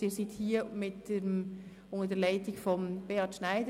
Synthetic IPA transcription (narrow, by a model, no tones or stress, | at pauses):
iːɾsithiːəmɪtd̥em | ʊŋədɛːlaɪtɪkfɔmb̥eɑtʃnaɪdə